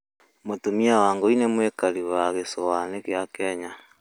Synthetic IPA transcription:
motomiawaːŋɡoinemwekaɾiβaɣesowanekeakɛɲa

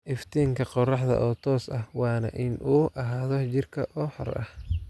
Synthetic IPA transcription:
ʔɪft̪ʰiːŋkʰɐqɔrɑħd̪ɐ̰ʔɔːt̪ʰɔːsɐhwɑːnɐ̰ʔɪnʔuːʔɐɦaːðɔt͡ʃɪrkʰɐʔɔːħɔ̰rɐ̰h

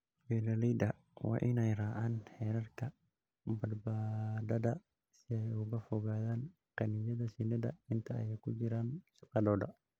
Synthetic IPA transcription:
wɛlɐlijd̪ɐ | wɑ̰ːʔɪnɛjraːʕaːnhɛːɾɐrkʰɐ | bɐd̪baːd̪ɐdɐ | sɪɛjʊɣɐfɔɣaːðaːn | qɑnɪjɐðɐsinɐd̪ɐ̰ɪnt̪ʰɐ̰ːjɛjkʰʊt͡ʃɪɾaːnʃɐqɑlɔːdɐ̰

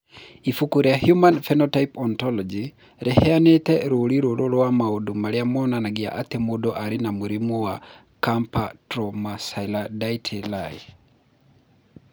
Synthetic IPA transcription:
ifukuɾiahjumanfɛnɔtaipɔntɔlɔd͡ʒi | ɾʔɛhɛanetɛɾoɾiɾoɾolwamaodumaɾiamɔnanaɡia̰ʔat̪ɛmudɔʔaɾinamuɾimuwa | kampatɾɔmasailadaitʰɛlaj

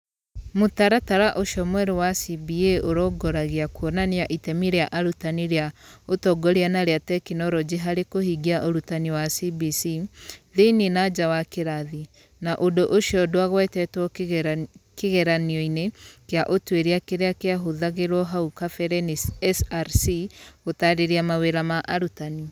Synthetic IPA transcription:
motaɾataɾaʔoʃɔmwɛɾewasibieoɾɔɡɔɾaɣeakwɔnaneaʔitɛmiɾeaʔaɾutaniɾeaotɔɡɔɾianaɾeatɛkinɔɾɔd͡ʒeɦaɾekohiɡiaʔoɾutaniwasibisiðeninad͡ʒawakeɾaði | naʔodoʔoʃjɔdwaɣwɛtɛtwɔ | keɣɛɾaniɔinekeaʔotweɾiakeɾeakeaɦoðaɣeɾwɔɦaukafɛɾɛniɛsɾsiɣotaɾeɾiamaweɾamaʔaɾutani

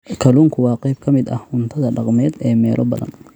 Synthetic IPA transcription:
kʰɐluːŋkʰʊwɑːqɛjb̚kʰɐmɪd̪ɐhʊnt̪ʰɐðɐɖɑqmɛːd̪ɛːmɛːlʔɔbɐ̰ðɐ̰n

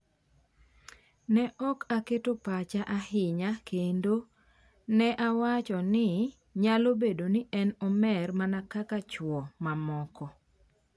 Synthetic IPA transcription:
nɛʔɔkaketopat͡ʃaʔahɪɲakendo | nɛʔawat͡ʃɔnɪ | ɲalobedonɪɛnɔmɛrmanakakat͡ʃwɔmamɔkɔ

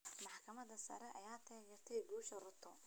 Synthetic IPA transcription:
mɑħkʰɐmɐd̪ɐsɐ̰ɾɛʔɐjaːt̪ʰɛːjɛːrt̪ʰɛjɡuːʃɐrʊt̪ʰɔ

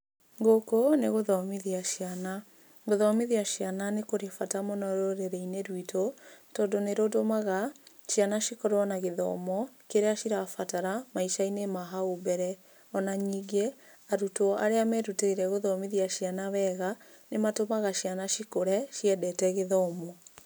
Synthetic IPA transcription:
ŋɡokoneɣoðɔmiðiaʃiana | ɡoðɔmiðiaʃiananekoɾefatamɔnɔɾoɾeɾeineɾwitʰotɔndoneɾodomaɣa | ʃjanaʃikɔɾwɔnaɣeðɔ̰mɔkeɾeaʃiɾafataɾamaiʃainemaɦaobɛɾɛ | ɔnaɲiɡe | aɾutoa̰ɾeamɛɾuteiɾɛɣoðɔmiðiaʃianaβɛɣa | nematomaɣaʃianaʃikoɾɛʃiɛdɛtɛɣeðɔmɔ

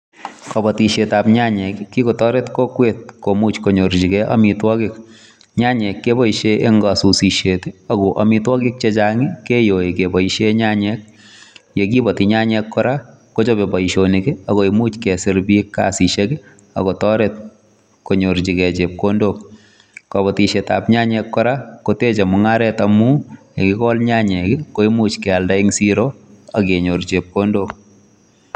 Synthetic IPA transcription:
kɔbɔtiʃetapɲaɲɛkkːikotɔɾetkokwet̚komut͡ʃkoɲoɾd͡ʒikɛʔa̰mitwɔkɪk | ɲaɲɛkːebɔiʃeeŋɡasusiʃeteɐɡoʔɐmitwɔkik̚t͡ʃet͡ʃaŋikejoekebɔiʃeɲaɲɛk̚ | jekibɔtiɲaɲɛkːɔɾa | kot͡ʃobebɔiʃonikeakoimut͡ʃkɛsɪɾbikːa̰siʃekɪ | a̰kɔtɔɾɛt̚ | koɲoɾt͡ʃikɛt͡ʃep̚kondo | kabɔtiʃeta̰pɲaɲɛkːɔɾakotet͡ʃamʊŋaɾɛtamujekɪkɔlɲaɲɛkɪkoimut͡ʃkɛaldaiŋsiɾoakeɲoɾt͡ʃep̚kondoːk

